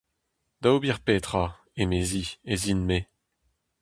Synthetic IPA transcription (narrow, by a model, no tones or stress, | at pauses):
d̪̥aubiʁpeːt̪χa | emeziezinme